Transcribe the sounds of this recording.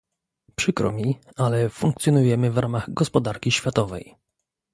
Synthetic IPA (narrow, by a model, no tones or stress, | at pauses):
pʂɘkɾɔ̰mʲi | alɛfuŋk̚t̪sʲjɔnujɛmɘvɾamaɣɡɔspɔd̪aɾkʲiɕfʲjat̪ɔvɛ̰j